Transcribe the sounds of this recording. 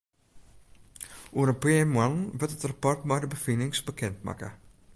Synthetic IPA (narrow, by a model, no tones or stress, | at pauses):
ʔuəɾənpɪmwanʋɪtətrapɔrtmɛjdəbəfinɪŋsbəkʰɛntma̰kə̰